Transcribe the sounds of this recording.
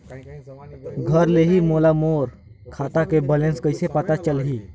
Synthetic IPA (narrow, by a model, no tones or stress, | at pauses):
ɡʱəɾleɦimolamoɾ | kʰat̪akebəlenskəɪsepət̪at͡ʃəlɦi